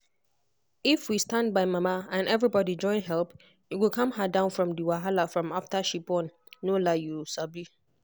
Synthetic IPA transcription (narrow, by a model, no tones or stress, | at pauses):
ifwistãnd̚baɪmamaãnɛvɹibɔdid͡ʒɔ̃ɪ̃nɦɛlp | juwikʰʌ̃mɦadãʊ̃nfɹɔ̃mdiwaɦalafɹɔ̃maftaʃipɔ̃nː | olajusabi